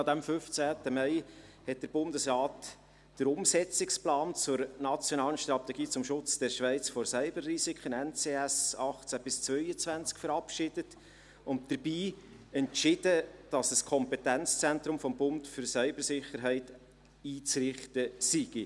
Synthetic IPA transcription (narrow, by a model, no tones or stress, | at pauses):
ɑd̪æmfʏft͡sæːtəmɛɪhɛt̚d̥əɾbʊndəsɾɑːt | d̥əɾʊmsɛt͡sɪksplɑːnt͡sʊɾnɑt͡sjonɑːlənʃt̪ɾɑt̪ɛɡiːt͡sʊmʃʊt͡sd̥ɛɾʃʋɛɪt͡sfɔɾsœʏbərːisikʰχənɛnt͡seːɛsɑχt͡sæb̥ɪst͡svœʏət͡svænt͡skfəɾɑpʃɪd̥ət | ʊnt̚d̥əɾb̥iː | ɛntʃɪd̥əd̥ɑsəskʰɔmpɛtænt͡st͡sɛntɾʊmfɔmbʊntfʏɾsœʏbəɾsɪχəɾɦɛɪt | iːt͡srɪχtəsiɡ̥i